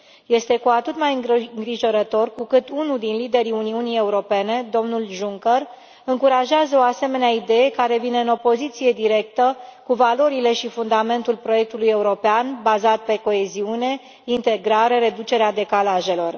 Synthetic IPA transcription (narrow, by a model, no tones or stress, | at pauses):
je̞st̪e̞kuat̪ɨt̪majɨɡŋɡɾiʒo̞ɾət̪o̞rkukɨt̪unuld̪inlid̪e̞ɾiuniunije̞uɾo̞pe̞ne̞d̪o̞mnulʒuŋkər | ɨŋkuɾaʒeazəo̞ase̞me̞neaid̪e̞je̞kaɾe̞vine̞ɨno̞po̞zit̪sije̞d̪iɾe̞k̚t̪əkuvalo̞ɾile̞ʃifund̪ame̞nt̪ulpɾo̞je̞k̚t̪uluje̞uɾo̞peanbazat̪̚pe̞ko̞e̞ziune̞ | int̪e̞ɡɾaɾe̞ɾe̞d̪ut͡ʃe̞ɾead̪e̞kalaʒe̞lo̞r